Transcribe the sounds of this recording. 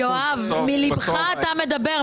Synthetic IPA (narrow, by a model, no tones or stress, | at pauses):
oavmilibχaːt̪ame̞d̪abeʁ